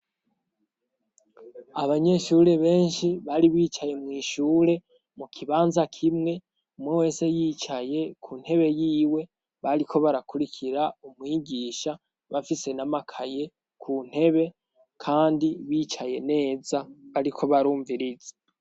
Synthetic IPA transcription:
aβaɲe̞ʃuɾe̞βe̞ːnʃiβaɾiβiːt͡ʃaje̞mŋiːʃuːɾe̞ | mukʰiβaːnzakʰimŋe̞ | umwewe̞ːse̞jiːt͡ʃaje̞kʰuːn̥he̞βe̞jiːwe̞ | βaɾikʰo̞βaɾakuɾikʰiɾaumŋiːɟiːʃa | βafise̞namakʰaje̞ | kʰuːn̥he̞βe̞ | kʰaːndiβiːt͡ʃaje̞ne̞ːzaβaɾikʰo̞βaɾuːɱviɾize

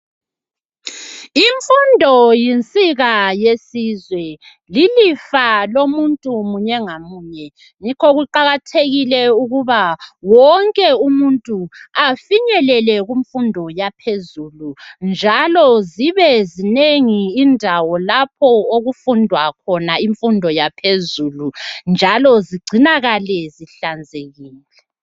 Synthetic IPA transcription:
iɱfundʱɔjint͡sʼiɣajesizwɛ | lilifalomuntʼumuɲɛŋamuːɲɛ | ŋikʰɔɣuǃaɣatʰeɣilɛuɣuβawɔŋkʼɛumuntʼuafiɲɛlɛlɛɣuɱfundʱɔjapʰezulund͡ʒʱalɔziβɛzineŋiːndʱawɔlapʰɔoɣufundʱwakʰɔnaiɱfundʱɔjapʰezulund͡ʒʱalɔziɡ͡ǀʱinaɣalɛziɬand͡zʱeɣiːlɛ

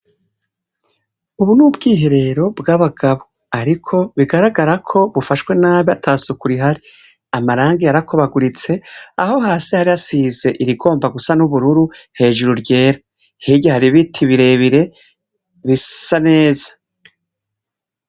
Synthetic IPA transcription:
uβunuːbɡiːɦe̞ɾe̞ɾo̞bɡaβaɡaβo̞ | aɾikʰo̞βiɡaɾaɡaɾakʰo̞βufaʃwe̞naːβiatʰaːsukuɾiɦaɾi | amaɾaːŋɡiaɾakʰoβaɡuɾit͡se̞a̰ho̞ɦaːsihaɾiasize̞ʔiɾiɡo̞ːmbaɡusanuβuɾuɾuhe̞ːʒuɾuɾɟe̞ːɾa | hiɟahaɾiβitʰiβiɾe̞βiɾe̞ | βisane̞ːzḁ

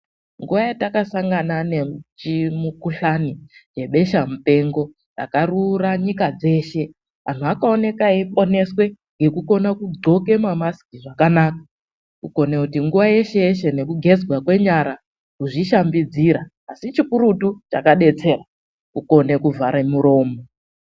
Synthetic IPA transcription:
ŋɡuʋajatakasaŋɡanane̞t͡ʃimukuɬanid͡ʒe̞ɓe̞ʃamupe̞ŋɡo̞ | ra̰karuraɲikad͡ze̞ʃe̞ | ʋan̤uakaone̞kaipo̞ne̞swe̞ | ŋɡe̞kuko̞nakuɡo̞ke̞mamaskiʐakanaːka | kuko̞nekutiŋɡuʋaje̞ʃe̞jeʃe̞ne̞kuɡʱe̞d͡zɡwakwe̞ɲaɾa | kuʐiʃambid͡ziɾaːsit͡ʃikuɾutut͡ʃa̰kaɗe̞t͡se̞ːra | kuko̞ne̞kuvʱaɾemuɾo̞ːmo

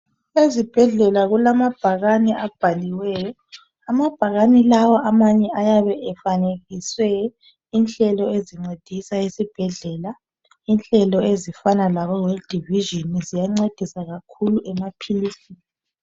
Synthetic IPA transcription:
ezib̥ʱɛɮɛlaɣulamab̥ʱaɣaniʔab̥ʱaliwɛːjɔ | amab̥ʱaɣanilawɔamaɲɛʔajaβɛɛfaneɣiswɛ | inɬɛlɔeziŋ͡ǀed̥ʱisaesib̥ʱɛɮɛla | inɬɛlɔezifanalaβɔɣed̥ʱiviʒinizijaŋ͡ǀed̥ʱisaɣakʰuluʔɛmapʰiliːsi

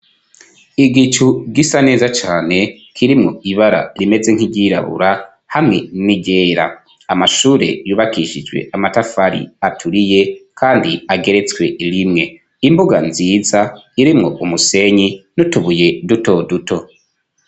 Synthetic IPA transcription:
iɡit͡ʃuɡisane̞ːzat͡ʃaːne̞ | kʰiɾimŋo̞iβaɾa̰ɾime̞ze̞ŋ̥hiɟiːɾa̰βṵɾa | hamŋe̞niɟeːɾa̰ | amaʃuːɾe̞̰juːβakiʃid͡ʒwe̞̰ʔamatafaɾḭatʰuɾije̞kʰaːndiaɡe̞ɾe̞t͡swe̞ʔilimŋe̞ | imbuɡanziːzaiɾimŋo̞ʔumuse̞ɲinutuβuje̞duto̞duto̞

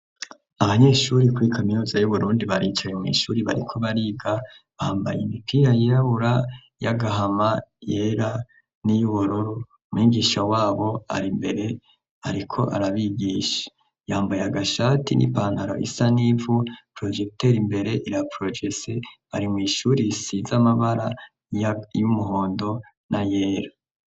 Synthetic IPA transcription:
aβaɲe̞ːʃuɾikuikʰaminuːzajuβuɾuːndiβaɾiːt͡ʃajemŋwḭːʃuːɾiβaɾikʰo̞βaɾiːɡa | βahaːmba̰jemipʰiːɾajeɾaβuɾa | jaɡaɦamajeɾa | nijuβuɾoɾu | mwiːɡiʃawaːβo̞a̰ɾimbe̞ɾe | aɾikʰo̞̰ʔa̰ɾaβiɡiːʃḁ | jaːmbajaɡaʃatinʔḭpaːnhaɾo̞̰ʔḭsanivupɾod͡ʒekteɾimbe̞ɾe̞ʔiɾapɾod͡ʒeseβa̰ɾimŋiːʃuːɾisizamaβaɾa | jumuɦo̞ːndo̞ | nʔaje̞ːɾa

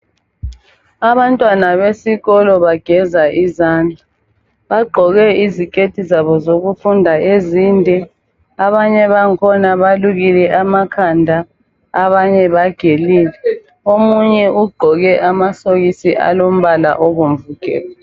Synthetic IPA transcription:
aβantʼwanaβesiɣɔlɔβaɡ̥ʱɛzaʔizaːnd͡ɮʱa | βaɡ͡ǃʱɔɣɛizikʼetʰizaβɔzoɣufundʱaeziːndʱɛ | aβaɲɛβaŋkʰɔnaβaluɣilɛʔamakʰandʱaː | βaɲɛβaɡ̥ʱeliːlɛ | omuɲɛʔuɡ͡ǃʱɔɣɛʔamasoɣisiʔa̰lom̩βala̰ʔoɣum̩vuɡ̥ʱɛ̰ːla

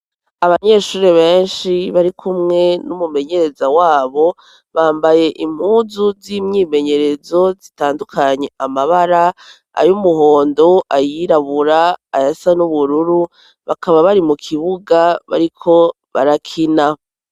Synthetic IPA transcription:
aβaɲe̞ːʃuːɾeβe̞ːnʃiβaɾikʰumŋe̞numume̞ɲe̞ɾe̞zawaːβo̞ | βaːmbaje̞ʔim̥uːzuzimɲiːme̞ɲe̞ɾe̞zo̞zitaːndukʰaɲe̞amaβaɾa | a̰jumuɦo̞ːndo̞ʔajiɾaβuɾaːjasanuβuɾuɾu | βakaβaβaɾimukʰiβuɡaβa̰ɾikʰo̞ | βaɾakʰina

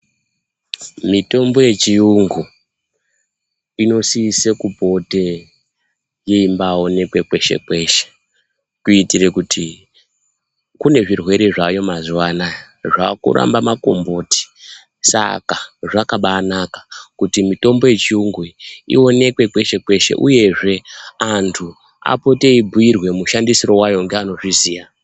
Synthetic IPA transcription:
mito̞mbo̞je̞t͡ʃiuŋɡu | ino̞siisekubʱo̞te̞ | jeimbaːo̞ne̞kwe̞kwe̞ʃḛkwe̞ʃe̥ | kuitire̞kutʰi | kune̞ʐirwe̞ɾe̞ʐajo̞mazuwanaj | ʐakṵɾa̰mbamako̞̰mbo̞ti̥ | sa̰kaʐakaɓaːnakḁkutimito̞mbo̞je̞t͡ʃiuŋɡwiḭo̞ne̞kwe̞kwe̞ʃe̞kwe̞ʃe̞̰ʔṵje̞ʐe̞antʰu | a̰po̞te̞ibʱuirwe̞muʃandisiro̞wajo̞ŋɡeano̞ʐiziːja

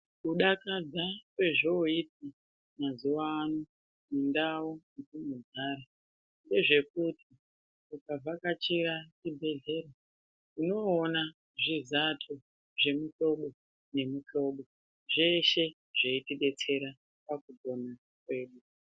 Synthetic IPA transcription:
kuɗakad͡zakwe̞ʐooiti | mazuwaːno | nindawonitumuzaːɾa | nde̞ʐe̞k̚utʰi | ukavʱakat͡ʃirat͡ʃibʱe̞ɮe̞ra | uno̞ːna | ʐizatʰo | ʐe̞muɬo̞ɓo̞ | ne̞muɬo̞ɓo̞ | ʐeʃe̞ | ʐeitiɓe̞t͡se̞ɾa | pakubo̞na | kwe̞ːɗu

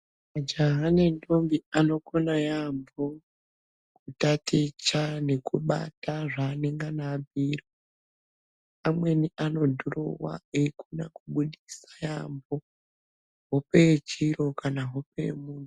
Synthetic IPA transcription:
mad͡ʒaɦanendombiano̞konajambo | kutatit͡ʃane̞kuɓa̰taʐaːneŋɡanabʱiːro | amwe̞niʔano̞dʱuɾo̰wa̰ekuna̰kuɓuɗisḁjambo̞ | ɦopet͡ʃiɾo̞kanaɦo̞pemuːnu

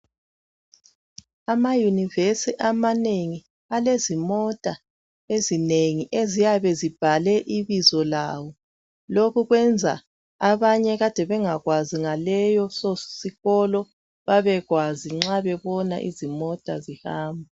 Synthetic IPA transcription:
amajunivesiʔamaneŋi | alezimɔtʼa | ezineŋiʔezijaβɛzib̥ʱalɛʔiβizɔlaːwɔ | lokʰuɣwɛnd͡zʱa̰ | aβaɲɛɣad̥ʱɛβɛŋaɣwaziŋalɛjɔsɔsiɣɔlɔ | βaβɛɣwaziŋ͡ǁaβɛβɔna̰ʔḭzimɔtʼa̰zihaːmbʱa

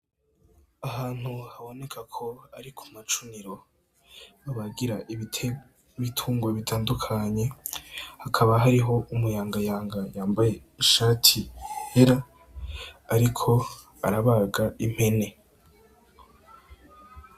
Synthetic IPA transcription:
aɦaːn̥huhaβo̞ne̞kʰakʰo̞aɾikʰu̥mat͡ʃuniɾo̞ | aβaɡiɾaʔiitʰe | βitʰuːŋɡwoβitʰaːndukʰaɲe̞hakʰaβaɦaɾiɦo̞ʔumujaːŋɡajaːŋɡajaːmbaje̞ | iʃaːtʰihe̞ɾaː | ɾikʰo̞ | aɾaβaːɡaim̥he̞ne̞

